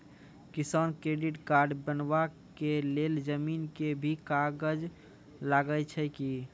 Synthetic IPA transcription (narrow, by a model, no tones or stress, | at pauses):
kisankɾeɖiʈkaɾɖbənba | keleld͡ʒəminkebʱikaɡəd͡ʒ | laɡət͡ʃʰəki